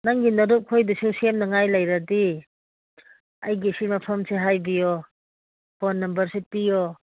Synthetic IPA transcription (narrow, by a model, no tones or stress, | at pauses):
naŋɡinɐɾup̚kʰojdisusemnɐŋajlajɾadi | ajɡesimɐpʰɐmseɦajbijɔ | bɔnːɐmbɐɾsepijɔ